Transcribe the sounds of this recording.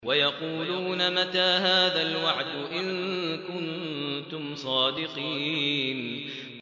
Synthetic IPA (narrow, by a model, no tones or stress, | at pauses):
wajɑquːluːnamat̪aːɦaːðalwaʕd̪ʊʔɪnkʊnt̪ʊmsˤɑːd̪ɪqiːn